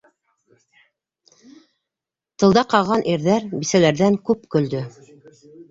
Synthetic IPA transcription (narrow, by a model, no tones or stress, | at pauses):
t̪ɤ̆lˠd̪ɑqɑʁɑnʔiɾðæɾbisælæɾðæŋkʉpkɵ̆ld̪ɵ